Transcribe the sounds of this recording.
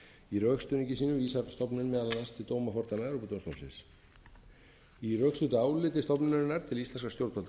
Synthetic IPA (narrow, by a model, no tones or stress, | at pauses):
iɾœkst̪ʏnicɪsiːnʏviːsapst̪ɔpnɪnmɛːðalananst̪ʰɪlt̪oːwmafɔɾt̪anaðɾuput̪omst̪ownsɪ̰ns | irœkst̪ʏt̪ʏaːwlɪt̪ɪst̪ɔpnɪnɾɪnːaɾ̥t̪ʰɪlist̪lɛnskast̪jowɾt̪̚pʰalt̪